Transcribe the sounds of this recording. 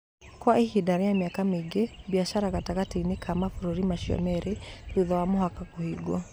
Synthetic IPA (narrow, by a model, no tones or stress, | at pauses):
kwaihidaɾɛjamiakameɡebiaʃaɾaɣataɣatinekʰamafuɾoɾimaʃiɔ̰mɛɾeɾuðɔwamoɦakakohiɡɔ